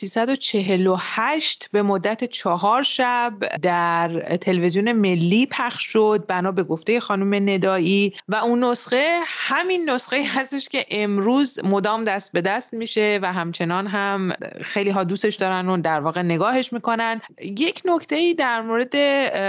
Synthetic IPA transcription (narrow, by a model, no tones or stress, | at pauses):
siːsæd̪o̞t͡ʃʰe̞ɦe̞lohæʃt̪be̞mod̪ːæt̪ʰet͡ʃʰɒɦɒːɾʃæbd̪æɾt̪ʰe̞levezijone̞me̞lːiːpʰæχʃʃod̪̚bænɒːbe̞ɡo̞ft̪eje̞xɒːnume̞ne̞d̪ɒːʔiːvæunːosɢe̞hæminːo̞sɣe̞iːhæst̪e̞ʃce̞ʔemɾuːzmo̞d̪ɒːmd̪æst̪̚be̞d̪æst̪̚miːʃe̞væɦæmt͡ʃʰe̞nɒːnɦæmxe̞jliːɦɒːd̪uːse̞ʃd̪ɒːɾænd̪od̪æɾvɒːɣene̞ɡɒːɦe̞ʃmiːko̞nænd̪je̞cʰno̞cʰt̪ʰe̞iːd̪æɾmoːɾe̞d̪e̞